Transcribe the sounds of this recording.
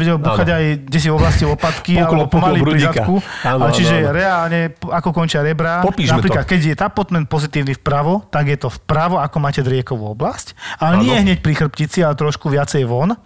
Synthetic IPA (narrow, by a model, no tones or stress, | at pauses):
ʋɛɟɛlbuːxaɟajɟɛs̬ivɔblasciʋɔpat̪kialɛbɔɔpɔmalipɾiat̪kuat͡ʃiʒɛɾɛaːlɲɛakɔkɔnt͡ʃɪaɾɛbɾaɔpiʒnapɾiːklat̪kɛɟjɛt̪apɔt̪mɛnt̪̚pɔzit̪iːʊnifpɾaʋɔt̪aɡjɛt̪ɔfpɾaʋɔakɔmaːcɛd̪ɾɪɛkɔʋuɔblascalɛɲɪɛɦɲɛc̚pɾixr̩pcit͡sialɛt̪ɾɔʃkuʋɪat͡sɛjʋɔn